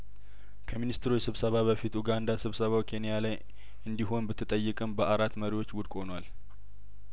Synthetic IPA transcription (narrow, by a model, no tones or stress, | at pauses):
kʰəminist̪ʰɾujsɨβsəβaβəfit̪uɡand̪asɨβsəβawkʰe̞nijalaj | ɨnd̪iɦo̞nbɨt̪ʰːɨt̪ʼəjːɨkʼɨmbəʔaɾat̪məɾiwo̞t͡ʃːwʊd̪kʼo̞nwal